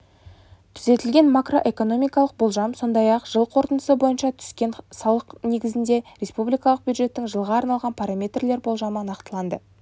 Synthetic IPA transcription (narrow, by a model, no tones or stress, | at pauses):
t̪ʰʏze̞t̪ɪlʲɡʲe̞nmakro̞ʔe̞ko̞no̞mʲijkɑlˠəq̚bo̞lˠʒɑmso̞nd̪ɑjɑqʒ̥əlˠqʰo̞ɾt̪ənəsəbo̞jənʃɑt̪ʰʏ̥skʲe̞nsɑlˠəqne̞ɡʲɪzɪnd̪e̞ɾʲe̞spublijkɑlˠəqbjud̪ʒe̞t̪ːɪŋʒəlˠʁɑːɾnɑlˠʁɑnpʰaɾamʲe̞t̪rle̞ɾbo̞lˠʒɑmənɑqt̪əlˠɑnd̪ə